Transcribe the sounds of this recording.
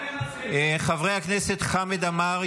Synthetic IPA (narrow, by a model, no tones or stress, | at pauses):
χavʁejhakneset̪χamed̪amaʁ